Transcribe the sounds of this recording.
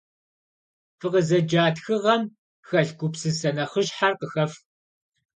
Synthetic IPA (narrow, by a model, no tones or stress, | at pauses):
fɨqəzɐd͡ʒaːtxɨʁɐm | xɐɮɡʷʊpsɨsɐnɐχəʃħarqəxɐf